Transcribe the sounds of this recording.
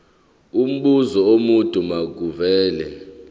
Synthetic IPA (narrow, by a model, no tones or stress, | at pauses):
um̩ɓuzɔomutʼumaɡʱuvɛːlɛ